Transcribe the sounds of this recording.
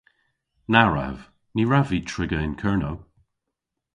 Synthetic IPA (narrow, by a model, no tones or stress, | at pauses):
naɹa̰v | niɹavitʰɹ̥ɪɡəɪ̃nkʰɜɹnow